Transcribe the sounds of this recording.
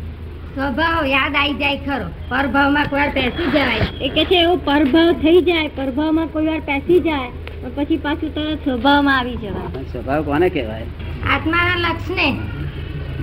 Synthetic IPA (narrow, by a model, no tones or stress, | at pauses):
sʋəbʱaʋjad̪aid͡ʒajkʰəɾopəɾbʱaʋmãkoiʋaɾpɛsid͡ʒəʋajeket͡ʃʰeːopəɾbʱaʋt̪ʰəid͡ʒajpəɾbʱaʋmãkoiʋaɾpɛsid͡ʒaj | pəɳpət͡ʃʰipat͡ʃʰut̪əesʋəbʱaʋmãaʋid͡ʒəʋajənsʋəbʱaʋkɔnekɛʋa̰j | a̰t̪maɾaləkʃne